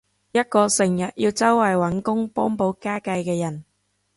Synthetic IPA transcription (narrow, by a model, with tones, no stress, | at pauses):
jɐ˥t̚kɔː˧sɪ˨˩ŋjɐ˨t̚jiː˧wt͡sɐ˥wːɐ˨˩jwɐ˨˥nkʊ˥ŋpɔː˥ŋpo˨˥wkaː˥kɐ˧jkɛː˧jɐ˨˩n